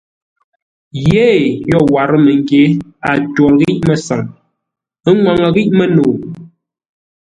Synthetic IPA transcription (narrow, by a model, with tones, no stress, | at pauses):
je˦jɔ˦˨wa˨ɾə˦mə˨ŋ˦ɡe˨˦a˨twɔ˨ɾɣi˦ʔmə˦sa˨ŋ | ə˦ŋwa˨ŋə˨ɣi˦ʔmə˦noː˨